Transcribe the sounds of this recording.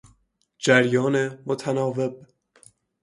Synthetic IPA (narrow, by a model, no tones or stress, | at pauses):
d͡ʒæɾjɒːnemot̪ʰænɒːve̞b̚